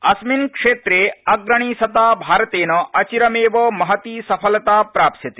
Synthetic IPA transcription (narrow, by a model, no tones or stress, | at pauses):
ɐsminkʂeːt̪ɾeːɐɡɾɐɳ̃iːsɐt̪aːbʱaːɾɐt̪eːnɐʔɐt͡ʃiɾɐmeːʋɐmɐɦɐt̪iːsɐpʰɐlɐt̪aːpɾaːpsɐt̪i̥